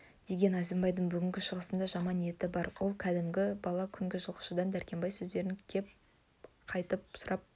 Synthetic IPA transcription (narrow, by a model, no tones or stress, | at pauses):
d̪̥e̞ɡʲe̞næzembɑjd̪əɴbʏɡʲɪŋɡʲɪʃəʁəsənd̪ɑʒɑmɑnije̞t̪ɪbɑɾwʔo̞lˠkʲʰæd̪ɪmɡʲɪbɑlˠɑkʲʰʏŋɡʲɪʒəlˠqə̥ʃəd̪ɑnd̪æɾkʲe̞mbɑjsɵzd̪e̞ɾɪŋkʲʰe̞p̚ | qʰɑjt̪əp̚sʊɾɑp̚